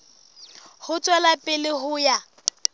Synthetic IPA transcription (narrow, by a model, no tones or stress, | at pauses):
hʊt͡sʼwɛlapʼɪlɪɦʊja